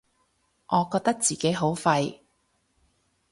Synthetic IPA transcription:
ʔɔː˨˧kɔː˧k̚t̪ɐ˥k̚t͡siː˨ke˨˥jɦo˨˥wfɐ˧j

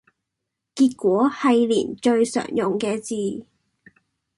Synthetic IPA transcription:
kiː˧t̚kʷɔː˨˥hɐ˨jlḭː˨˩nt͡ʃɵ˧ɥsœ̰ː˨˩ŋjʊ˨ŋkɛː˧t͡siː˨˧

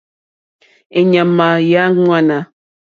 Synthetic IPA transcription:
e˨ɲa˨ma˨ja˨˦ŋwa˦˨na˨

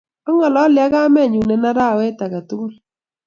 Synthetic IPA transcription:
ɔ˦ŋɔ˨lɔ˦lja˦ɣa˦mɛ˦˨ɲu˨nɛ˨na˦ɾa˦˨wɛ˦ta˨ka˨tu˦k

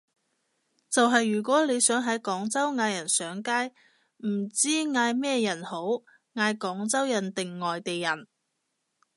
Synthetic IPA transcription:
t͡sɐ˨wɦɐ˨jːyː˨˩kʷɔː˨˥le˨˧jsœː˨˥ŋɦɐ˨˥jkɔː˨˥ŋt͡sɐ˥wŋaː˨˧jɐ˨˩nsœː˨˥ŋkaː˥j | m̩˨˩t͡siː˥ŋaː˨˧jmɛː˥jɐ˨˩nho˨˥w | ŋaː˧jkɔː˨˥ŋt͡sɐ˥wjɐ˨˩nt̪ɪ˨ŋːɔː˨jt̪e˨jːɐ˨˩n

